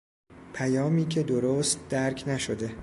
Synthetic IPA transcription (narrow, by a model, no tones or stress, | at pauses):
pʰæjɒːmiːcʰe̞d̪oɾoːst̪̚d̪̥æɾcʰnæʃod̪e̞